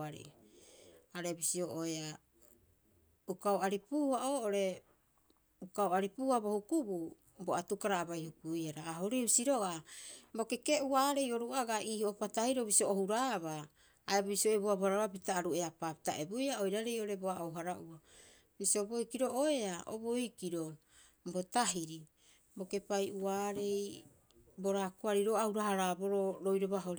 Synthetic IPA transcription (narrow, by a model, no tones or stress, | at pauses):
aɾḭ | aɾe̞bisioʔoea | ukaoaɾipuːhaʔoːʔo̞ɾe̞ | ukaoaɾipuːabo̞hukubu | boatukaɾaːbajhukujaɾaːɦoɾibisiɾo̞ɡabo̞keke̞ʔuaːɾe̞jo̞ɾuaɡaʔiːhoʔopatahiɾoβisioːhuɾaːβaː | eboisioebuabohaɾaβabitaːɾue̞apapita̰ʔe̞bojao̞jɾaɾe̞jo̞ɾe̞boaowɦaɾaʔua | bisioboikiɾoʔoe̞aʔo̰bojkiɾo̞ | bo̞taɦiɾi | bo̞ke̞pajuaːɾe̞j | bo̞ɾakuaɾiɾoauɾaɦaɾabo̞ɾoɾo̞jɾoβaɦoɾ